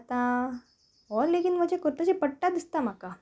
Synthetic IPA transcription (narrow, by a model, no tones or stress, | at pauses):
t̪ã | ɦɔɾlekinməd͡ʑekoɾt̪əɕepəɽʈad̪ist̪am̤aka